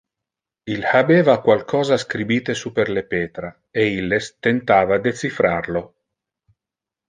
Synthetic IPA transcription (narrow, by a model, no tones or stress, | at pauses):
ilhabeːvakwalkʰɔːzaskɾibiːt̪esuperlepeːt̪ɾa | eilːest̪ent̪aːvad̪et̪t͡sifɾarlo